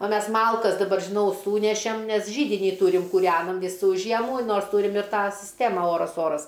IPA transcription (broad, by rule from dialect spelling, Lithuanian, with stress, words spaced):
oː ˈmʲɛs ˈmɐlˠkɐs ˈdɑːbɐr ˈʒʲɪnɐʊ ˈsuːnʲɛʃʲɛm nʲɛs ˈʒʲiːdʲɪnʲiː ˈtuːrʲɪm kuːˈrʲæːnɐm ˈʋʲiːsuː ˈʒʲiɛmuː ˈnoːrs ˈtuːrʲɪm ɪr ˈtɑː sʲɪsʲˈtʲæːmɐ ˈoːrɐs ˈoːrɐs